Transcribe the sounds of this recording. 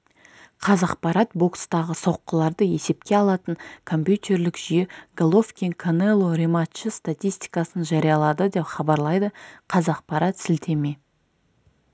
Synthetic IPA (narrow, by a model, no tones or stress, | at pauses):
qʰɑzɑqpɑɾɑt̪bo̞kst̪ɑʁəso̞qːəlˠɑɾd̪əe̞se̞pkʲe̞ɑlˠɑt̪əɴkʰo̞mpjut̪ʲe̞ɾlɪkʒ̥ʏjeɡolˠo̞fkʲenkʰonelˠoɾemat̪ʃəst̪at̪ʲijst̪i̥jkɑsənʒɑɾijɑlˠɑd̪əd̪e̞pχɑbɑɾlˠɑjd̪əqʰɑzɑq̚pɑɾɑt̪sɪlt̪ʰe̞me̞